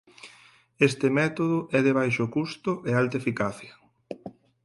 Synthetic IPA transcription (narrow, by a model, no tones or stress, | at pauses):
est̪ɪmɛt̪oðʊʔɛðeβ̞ajʃʊkust̪ʊʔealt̪aefikaθjɐ